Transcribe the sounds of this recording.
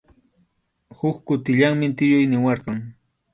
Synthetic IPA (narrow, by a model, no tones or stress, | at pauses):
hʊkkʊt̪ɪʎaŋmɪt̪ɪjʊjnɪwɑɾqɑŋ